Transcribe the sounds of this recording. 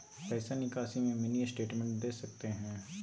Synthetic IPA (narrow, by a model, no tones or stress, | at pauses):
pɛːsanɪkaːʃimẽmɪnisʈeːʈmɛ̃ɳʈ̚d̪eːsɐk̚t̪eɦɛ̃ː